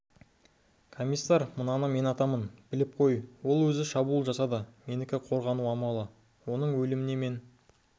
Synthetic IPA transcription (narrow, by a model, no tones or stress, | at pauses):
kʰo̞mʲijsːɑɾmənɑnɑme̞nɑt̪ɑmənbɪlɪp̚qʰo̞jwo̞lˠwɵzɪʃɑbulˠʒɑsɑd̪ɑme̞nɪkʲɪqʰo̞ɾʁɑnuɑmɑlˠə | wo̞nəɴwɵlɪmɪne̞me̞n